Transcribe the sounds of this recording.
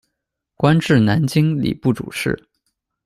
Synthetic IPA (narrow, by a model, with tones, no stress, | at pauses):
kwa˥nʈ͡ʂɻ̩˥˩na˧˥nt͡ɕi˥ŋlḭ˨˩pu˥˩ʈ͡ʂṵ˨˩ʂɻ̩˥˩